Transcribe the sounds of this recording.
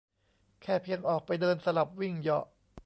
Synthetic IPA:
kʰɛː˥˩pʰi˧əŋʔɔː˨˩k̚pa˧jdɤː˧nsa˧la˨˩p̚wi˥˩ŋjɔ̰˨˩ʔ

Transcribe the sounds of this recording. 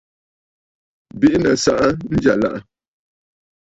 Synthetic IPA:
bi˦ʔnə˨sa˦ʔa˦n̩˦d͡ʒa˨la̰˦ʔa˦˨

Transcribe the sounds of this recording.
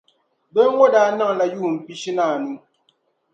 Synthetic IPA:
be˦ŋo˦daː˨na˦ŋ˨la˨juː˦˨m̩˨pi˦ʃi˦na˦˨nu˦

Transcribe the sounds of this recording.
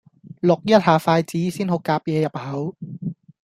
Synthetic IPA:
lo˨˩k̚jɐ˥t̪̚haː˨˩faː˧jt͡siː˨˦˥siː˥˩nho˨˩kːaː˨p̚jɛː˨˧jɐ˨˩p̚hɐ˨˩˥w

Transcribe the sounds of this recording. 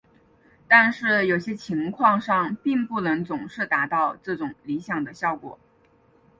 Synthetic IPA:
t̪a˥˧nʂɻ̩˥˩jo˨˩ʊɕjɛ˥t͡ɕʰi˧˥ŋkʰwɑ˥˧ŋʂɑ˥˧ŋpi˥˧ŋpu˥˩nɤ˧˥ŋt͡sʊ˨˩ŋʂɻ̩˥˩t̪a˧˥t̪ɑ˥˧ʊʈ͡ʂɤ˥˩ʈ͡ʂʊ˨˩ŋli˧˥ɕjɑ˨˩ŋd̪ə˦ɕjɑ˥˩ʊkwɔ̰˨˩˦

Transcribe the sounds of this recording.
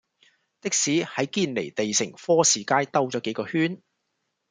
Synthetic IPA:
t̪ɪ˥k̚siː˨˥hɐ˨˥jkiː˧nlḛ˨˩jt̪e˨jsɪ˨˩ŋfɔː˥siː˨˩kaː˧jt̪ɐ˧wt͡sɔː˨˥ke˨˥jkɔː˧hyː˥n

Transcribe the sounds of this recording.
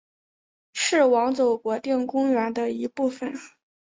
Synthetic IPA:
ʂɻ̩˥˩wɑ˧˥ŋt͡so˨˩ʊkwɔ˧˥t̪jɛ˥˩ŋkʊ˥ŋɥɛ˧˥nd̪ə˧i˧˥pu˥˩fə˨˩n

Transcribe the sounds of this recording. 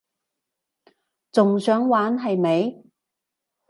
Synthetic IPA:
t͡sʊ˨ŋsœː˨˥ŋwaː˨˥nɦɐ˨jme˨˧j

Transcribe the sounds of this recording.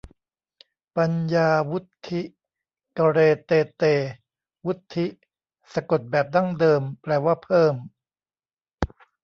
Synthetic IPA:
pa˧njaː˧wu˦˥t̪ʰːi˦˥ʔ | ka˧ɾeː˧t̪eː˧t̪eː˧ | wu˦˥t̪ʰːi˦˥ʔ | sa˧ko˨˩t̪̚bɛː˨˩p̚da˥˩ŋdɤː˧mplɛː˧waː˥˩pʰɤː˥˩m

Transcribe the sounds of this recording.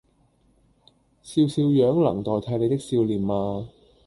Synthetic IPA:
siː˧wsiː˧wjœː˨˥ŋlɐ̰˨˩ŋt̪ɔː˨jt̪ʰa˨˧˥jne˨˧jt̪̬ɪ˥k̚siː˧wliː˨˩maː˧

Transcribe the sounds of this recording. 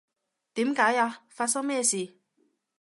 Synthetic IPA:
t̪iː˨˦˥mkaː˨˥jaː˧faː˧t̚sɐ˥ŋmɛː˥˧siː˨

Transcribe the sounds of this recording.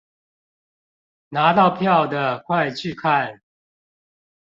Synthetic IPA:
na˨˦t̪ɑ˥˨ʊpʰjɑ˥˨ʊd̪ə˩kʰwa˥˧ɪt͡ɕʰy˥˨kʰa˥˨n

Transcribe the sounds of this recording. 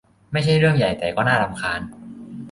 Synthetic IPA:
ma˥˩jt͡ɕʰa˥˩jɾɯ˥˩əŋja˨˩jt̪ɛː˨˩kɔː˥˩naː˥˩la˧mkʰaː˧n

